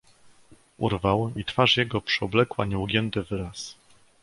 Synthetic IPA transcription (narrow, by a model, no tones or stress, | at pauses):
ʔṵɾvawit̪faʂjɛɡɔpʂɔblɛkwa̰ɲɛuɡʲjɛnt̪ɘvɘɾas